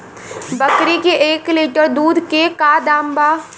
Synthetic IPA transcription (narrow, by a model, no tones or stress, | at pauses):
bəkɾikeʔeːkliːʈəɾd̪uːd̪kekaːd̪aːmbaː